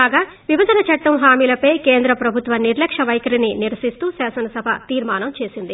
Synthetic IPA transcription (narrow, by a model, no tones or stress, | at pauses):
aːɡaː | ʋibɐd̪ʱɐnɐt͡ʃɐʈːɐmɦaːmiːlɐpɐjkeːnd̪ɾɐpɾɐbʱut̪ʋɐniɾlɐkʂɐʋɐjkɐɾininiɾɐsist̪uːsaːsɐnɐsɐbʱɐ̰t̪iːɾmaːnɐmt͡ʃe̞ːsind̪i